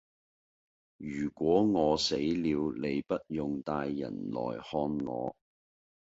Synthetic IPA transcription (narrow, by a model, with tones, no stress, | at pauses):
jyː˨˩kʷwɔː˨˥ŋɔː˨˧se˨˥jliː˨˧wle˨˧jpɐ˥t̚jʊ˨ŋt̪aː˧jːɐ̰˨˩nlɔ̰ː˨˩jhɔː˧nŋɔ̰ː˨˧